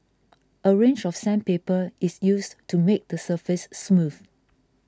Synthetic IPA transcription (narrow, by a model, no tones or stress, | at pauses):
ʔəɹẽnd͡ʒɔfsɛ̃npepəɪsjustumek̚dəsəfɪsːmuθ